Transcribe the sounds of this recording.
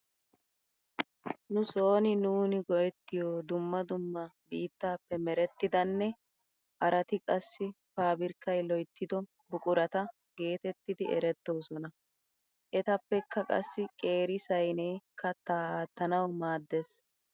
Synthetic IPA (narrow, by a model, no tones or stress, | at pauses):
nʊso̞ːnɪnuːnɪɡɔjɛt̪ːɪjoːd̪ʊmːɐd̪ʊmːɐbiːt̪ːaːpːɛmɛɾɛt̪ːɪd̪ɐnːɛ | ʔɐɾɐt̪ɪkʼɐsːɪpaːbɪɾkːɐjlɔjt̪ːɪd̪ɔ | bʊkʼʊɾɐt̪ɐ | ɡe̞ːt̪ɛt̪ːɪd̪ɪɛɾɛt̪ːo̞ːsɔnɐ | ʔɛt̪ɐpːɛkʰːɐkʼɐ̰sːɪkʼe̞ːɾɪsɐjnekːɐt̪aːaːt̪ːɐnɐwmaːd̪ːes